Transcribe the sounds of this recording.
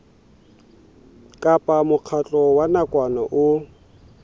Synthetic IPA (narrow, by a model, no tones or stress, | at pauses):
kʼapʼamʊq͡χʰat͡ɬʼɔwanakʼwanaʔʊ